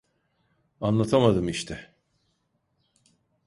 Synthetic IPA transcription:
anˠat̪ʰamad̪ɯmiʃt̪ʰɛ

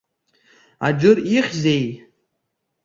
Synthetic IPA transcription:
a̰d͡ʒʊriχʲzej

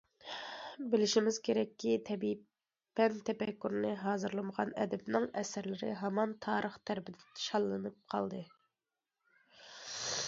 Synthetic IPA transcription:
bɪlɪʃimɪz̥kʲʰeɾɛkʲːit̪ʰɛbi | pːɛnt̪ʰɛpɛkʲːyɾnɨɦɑːzɨɾlˠɨməʁɑnɛ̰d̪ɛbnɪŋɛsɾlɪɾɪ̰ɦɑmɑnt̪ʰɑːɾəχt̪ʰæɾbɪd̪ɪt̪ʰʃɑlˠːɨnɨp̚qʰɑ̰lˠd̪ɨ

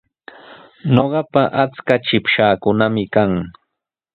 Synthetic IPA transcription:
noɢɑpaʔat͡skat͡ʃɪpʃaːkʊnamɪkaŋ

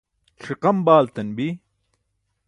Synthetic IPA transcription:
ʂiqɐmbaːlt̪ɐnbi

